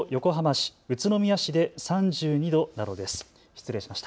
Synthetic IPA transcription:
jo̞ko̞ɦamaɕi̥ɯ̟t͡sɨno̞mʲiaɕid̪e̞sãɲd͡ʑɨːɲ̟id̪o̞nano̞d̪e̞sɨ̥ | çi̥t͡sɨɾẽ̞ɕimaɕi̥t̪a

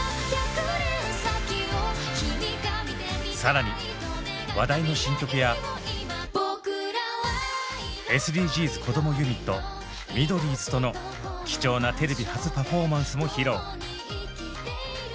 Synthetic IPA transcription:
akɾ | sakʲio | saɾaɲ̟i | βad̪aino̞ɕĩŋkʲo̞kɯ̟ja | bokɯɾaβa | e̞sɨdʲiːʑiːzɨkʰo̞d̪o̞mo̞jɯ̟ɲ̟it̪ːo̞ | mʲid̪o̞ɾʲiːzɨ̥t̪o̞no̞ | kʲi̥t͡ɕo̞ːnat̪e̞ɾe̞bʲihat͡sɨpaɸo̞ːmãɰ̃sɨmo̞çiɾo̞ː

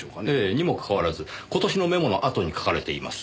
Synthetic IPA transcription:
oeːɲ̟imo̞kḁkaβaɾazɨko̞t̪o̞ɕinome̞mo̞no̞ʔat̪o̞ɲ̟ikḁkaɾe̞t̪e̞ima̰sɨ̥

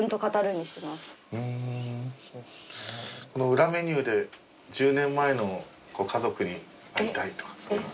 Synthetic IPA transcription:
ɯnt̪o̞kat̪aɾɯ̟ɲ̟ːiɕimasɨ̥ɯ̟̃ | ko̞no̞ɯ̟ɾame̞ɲ̟ɨːd̪e̞ | d͡ʑɨːnẽ̞mːae̞no̞ | ko̞ːkʰazo̞kɯ̟ɲ̟i | aɾʲit̪ait̪o̥kḁs

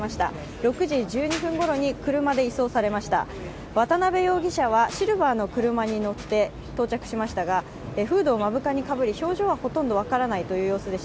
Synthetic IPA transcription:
aɕi̥t̪a̰ | ɾo̞kɯ̟ʑiʑɨːɲ̟iɸɯ̟̃ŋɡo̞ɾo̞ɲ̟ikɯ̟ɾɯ̟mad̪e̞iso̞ːsaɾe̞maɕi̥t̪a̰ | βat̪anabe̞jo̞ːɡʲiɕaβ̞aɕiɾɯ̟baːno̞kɯ̟ɾɯ̟maɲ̟ino̞t̪ːe̞ | t̪o̞ːt͡ɕakɯ̟̥ɕimaɕi̥t̪aɡa | eɸɯ̟ːd̪o̞ːmabɯ̟kaɲ̟ikabɯ̟ɾʲiço̞ːʑo̞ːβaho̞t̪õ̞nd̪o̞β̞akaɾanait̪o̞jɯ̟ːjo̞ːsɨd̪e̞ɕ

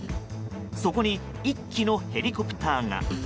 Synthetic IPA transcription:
so̞ko̞ɲ̟i | ikʲːino̞he̞ɾʲiko̞pɯ̟̥t̪aːŋa̰

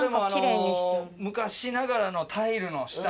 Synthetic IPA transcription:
d̪emoanɾeɲi̥mɯ̟kaɕinaɡaɾano̞t̪ʰaiɾɯ̟no̞ɕi̥t̪a

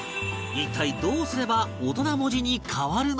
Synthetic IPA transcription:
ikʰːaid̪o̞ːsɨɾe̞bao̞t̪o̞namo̞ʑiɲ̟ikʰaβaɾɯ̟n

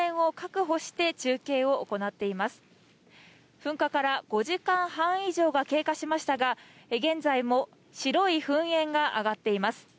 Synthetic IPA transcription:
ẽɰ̃o̞kakɯ̟ɦo̞ɕi̥t̪e̞t͡ɕɨːke̞ːo̞oko̞nat̪ːe̞imasɨ̥ | ɸɯ̟̃ŋkakaɾaɡ̥o̞ʑikãɰ̃hãɰ̃iʑo̞ːɡake̞ːkaɕimaɕi̥t̪aɡa | eɡẽ̞nzaimo̞ | ɕiɾo̞iɸɯ̟̃ɰ̃ẽ̞ŋɡaʔa̰ɡat̪ːe̞imasɨ̥

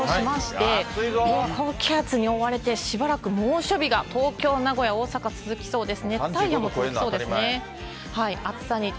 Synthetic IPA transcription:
ɕimaɕi̥e̞okokʲʰat͡sɨɲ̟io̞βaɾe̞t̪e̞ɕibaɾakɯ̟moːɕo̞bʲiɡat̪o̞ːkʲo̞ːnaɡo̞jao̞ːsakat͡sɨzɨkʲi̥so̞ːd̪e̞sɨnet̪aijamot͡szɨkiso̞ːd̪esɨne | haiat͡sɨ̥saɲ̟i

